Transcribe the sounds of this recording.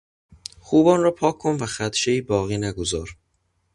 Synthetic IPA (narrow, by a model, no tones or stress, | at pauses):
xuːbɒːnrɒːpʰɒːkʰːonvæxæt̪ʃeiːbɒːɣiːnæɡozɒːɾ